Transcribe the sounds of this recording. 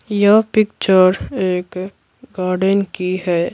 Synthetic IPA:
jɐpɪkt͡ʃəɾeːk | ɡaːɾɖənkiɦɛː

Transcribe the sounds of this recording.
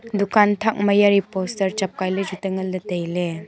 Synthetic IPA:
dukʰantʰak̚majaɾipostɐɾt͡ʃap̚kajled͡ʒutəŋɐldɐtejle

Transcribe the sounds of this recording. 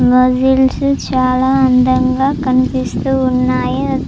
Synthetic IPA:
mɐzilsɨt͡ʃaːlaɐnd̪ʱɐŋɡakɐnpist̪uɦunːaːjeɐ

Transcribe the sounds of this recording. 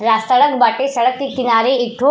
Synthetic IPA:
ɾast̪əɭəkbaʈesəɭəkt̪ikːinaɾeekʈʰo

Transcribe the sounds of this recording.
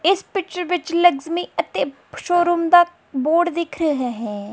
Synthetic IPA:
ɪspɪt͡ʃəɾʋɪt͡ʃləɡzmiːət̪eː | ʃoːɾuːmd̪aː | boːɖd̪ɪkʰɾəɦaːɦɛ̃ː

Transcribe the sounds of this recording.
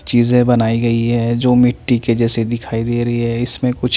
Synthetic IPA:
t͡ʃiːzẽbɐnaːiɡɐiɦɛːd͡ʒoːmɪʈːiked͡ʒɛːsed̪ɪkʰaːid̪eːɾɐiɦɛɪsmẽkʊt͡ʃʰ

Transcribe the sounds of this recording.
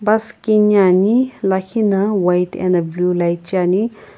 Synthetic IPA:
bɐskinanilɐkʰinɐwɐjtɛ̰nɐblulajt͡ʃani

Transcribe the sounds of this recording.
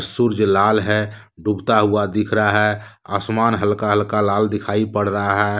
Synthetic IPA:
ɾsuɾd͡ʒlaːlɦɛ | ɖubt̪aɦuad̪ɪkʰɾəaɦɛ | a̰smaːnɦəlkaɦəlkalaːld̪ɪkʰaipəɽ̤ɾəɦaɦɛ

